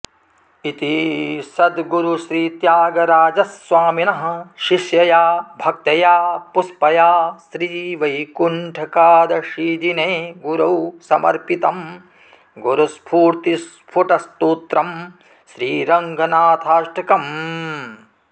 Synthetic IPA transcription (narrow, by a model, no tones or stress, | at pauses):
it̪isɐd̪ɡuɾuʃɾiːt̪jaːɡɐɾaːd͡ʒɐsʋaːminɐɦɐ̆ʃiʃjɐjaːbʱɐk̚t̪ɐjaːpuspɐjaːsɾiːʋɐjkuɳʈʰɐkaːd̪ɐʃiːd͡ʒineːɡuɾɐwsɐmɐ̰ɾpit̪ɐm | ɡuɾɐspʰuːɾt̪ispʰuʈɐst̪uːt̪ɾɐm | ʃɾiːɾɐŋɡʱɐnaːt̪ʰaːʃʈɐkɐm